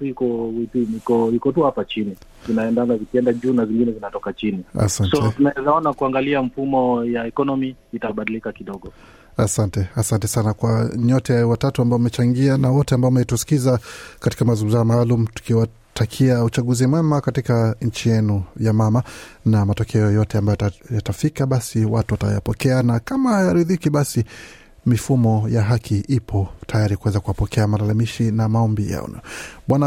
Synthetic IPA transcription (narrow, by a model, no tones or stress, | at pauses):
tikɔwipinikɔikɔtuhapat͡ʃini | zinaɛndanazikiɛndaʄuːnaviŋɡinɛzinatɔkat͡ʃinia̰sansɔɛtunaɛzaɔnakuaŋɡaliaɱ̩fumɔjaɛkɔnɔmiːtaɓaɗilikakiɗɔɠɔ | asantɛasantɛsanakwaɲɔtɛwatatuambaɔmɛt͡ʃaŋɡianawɔtɛambaɔmɛtusi̥kizakati̥kamazuzamaːlumutu̥kiwa | takʰiaut͡ʃaɠuzimwɛmakatikaɲ̩t͡ʃijɛnujamamanamatɔkʰɛɔjɔtɛambajjatafikaɓasiwa̰tuwata̰ja̰pɔkɛanakamahajaɾiðikiɓasi | mifumɔjaɦakʰiʔipʰɔtʰajaɾikuwɛzakuwapɔkʰɛamalalamiʃinamaɔmbija̰ɔ̰nɔ̰ɓwana